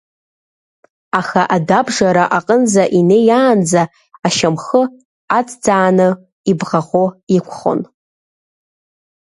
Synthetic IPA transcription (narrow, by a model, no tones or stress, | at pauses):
aχaʔadabʐaɾaʔaqʼənzaʔinejaːnd͡zaː | ʃamχə | at͡sʰʼd͡zaːnɨ | ibʁaʁoikʷʰχo̰n